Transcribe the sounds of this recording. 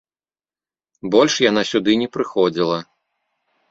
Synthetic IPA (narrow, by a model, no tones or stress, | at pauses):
bɔlʲʂjanasʲud̪ɨnʲɛpɾɨxɔd͡zʲilˠɐ